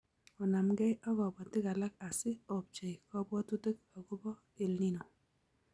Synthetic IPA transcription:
ɔ˨na˨mɡɛ˦jʔɔ˦ɡɔ˨bɔ˨tɪ˦ka˨la˦ka˨sɪ˦ɔ˨p̚t͡ʃe˨jkɔ˦bɔ˦tu˦te˦k̚a˨ɡo˦bɔ˦ | e˨lni˦nɔ˨

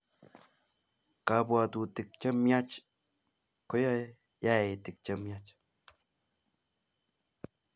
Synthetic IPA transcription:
ka˨bwa˨t̪u˨t̪i˨k̚t͡ʃə˦mja˦t͡ʃ | ko˦ja˦ | ja˦e˨t̪i˨k̚t͡ʃə˦mja˦t͡ʃ

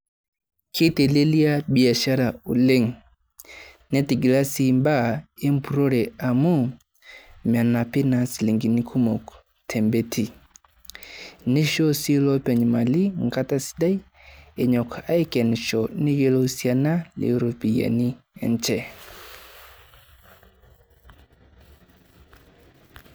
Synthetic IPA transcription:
kʰi˦te˨le˦li˦a˦bi˨a˨ʃa˦ɾa˨u˨le˦ŋ | nɛ˦ti˨ɡla˦si˦˨mba˦˨e˦m˦pu˨ɾo˦ɾɛ˨a˨mu˦ | m˨a˨na˨pi˦na˨sli˨ŋɡi˨ni˦kʰu˦mɔ˨k | tʰɛ˨mbɛ˦tʰi˨ | ne˦ʃɔ˦si˦lɔ˦pɛ˨ɲ˨ma˨li˦ŋka˦ta˦si̥˦da˦i˦ | e˨ɲɔ˨ka˨˦e˦kɛ˨n˨ʃɔ˨ne˦je˦lo˦sja˨na˦lḛ˨˦ɾo˨pi˨ja̰˨ni˦ | ɛ̰˨nt͡ʃɛ˨

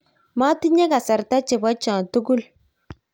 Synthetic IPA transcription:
ma˦ti˦ɲe˦ka˨sa˨ɾta˦t͡ʃe˨ba˦t͡ʃãː˨tu˦ɡu˦l

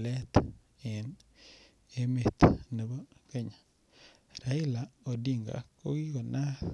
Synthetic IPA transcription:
lɛ˦t̪ | ɛ˨n | e˦me˨t̪ne˨bo˦ke˦ɲḁ˨ | ɾa˨ɪ˦la˨o˨di˦ŋɡa̰˨ko˦ɡi˦ko˨na˦

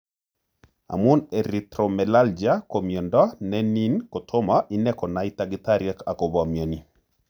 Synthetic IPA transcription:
a̰˨mu˦nɛɾitɾomɛlald͡ʒi˨a˦komjɔ˨ndɔ˦nɛ˦ni˦nko˨tʰo˦maʔi˦nɛkɔ˨naitaɡitaɾjɛka˨ko˨βɔ˨mjo˨ni˨

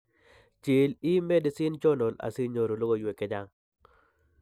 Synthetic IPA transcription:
t͡ʃe˨li˦me˦dsɪ˦nt͡ʃɔ˦no˨la̰˨si˦ɲo˨ɾo˨lo˦ɡo˦˨jwe˨ke˦d͡ʒa˦ŋ

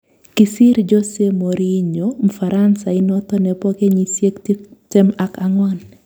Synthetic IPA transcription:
kɪ˨sɪ˦ɾd͡ʒo˦se˦mo˨ɾi˦ɲomfaɾʔansa˨ɪnɔt̪ɔ˦nɛpɔ˦ke˦ɲisje˦kttɛ˦ma˦kaŋwan

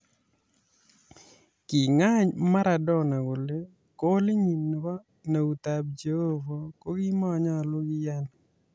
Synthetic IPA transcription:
kɪ˨ŋa˦ɲma˦ɾa˨dɔ˦na˨ɡʊ˨le˦ | ko˦li˦ɲi˨nn˨bɔ˦ | na˨u˨t̪a˨b̚d͡ʒe˨o˦vo˨ko˦ɡɪ˦mɔ˦˨ɲɔ˦˨lʊ˦ɡɪ˦ja˦n

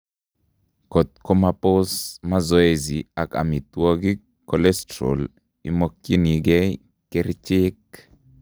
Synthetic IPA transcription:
ko˨t̪̚ko˦mapo˦sma˦zɔ˦e˨zi˨a˨ka̰˨mi˨t̪wo˦ɡi˦ | kɔlɛ˦stɾo̰˨l | ḭ˨mo˦kːji˦ni˨ɡɛ˦ | ke˦ɾt͡ʃɪ˦k

